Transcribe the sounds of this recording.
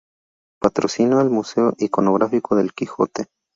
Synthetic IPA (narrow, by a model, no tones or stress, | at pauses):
pat̪ɾosinoelmuseoʔiko̞noɣɾʔafikoðe̞lkixo̞̰t̪e